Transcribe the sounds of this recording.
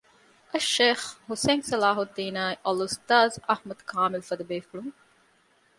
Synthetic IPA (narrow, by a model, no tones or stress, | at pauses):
ɐʃːeːxhuseːŋsɐlaːɦud̪iːnaːiʔɐlust̪aːzɐhmɐd̪kʰaːmɪlfɐd̪ɐbeːfuɭuŋ